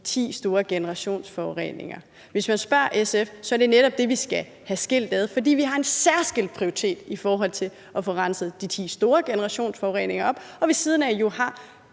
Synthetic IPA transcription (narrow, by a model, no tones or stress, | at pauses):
t͡sʰḭːsd̥o̝ːɐɡ̥enəʁɑ̈ɕo̝̰ːnsfɒʊʁḛːne̝ŋɐ | ʋe̝smænsb̥ɶɐ̰ʔesefsɒ̽æɐd̥e̝neɾ̥ɒ̽b̥̚d̥e̝ʋisɡ̥æ | hæsɡ̥e̝l̰d̥æðˠfɒ̽dḭːʋiɦɑ̈e̝nsæɐ̰sɡ̥el̰d̥̚pʰʁioit͡sʰe̝̰ːd̥ifɒːɦɒ̽l̰t͡sʰe̝ | ɒ̽fɔ̽ʁɑ̈nsð̩ˠd̥it͡sʰḭːsd̥o̝ːɐɡ̥enəʁɑ̈ɕo̝̰ːnsfɒʊʁḛːne̝ŋɐɒ̽b̥ɒ̽ʋisiːð̞ˠn̩æjo̝hɑ̈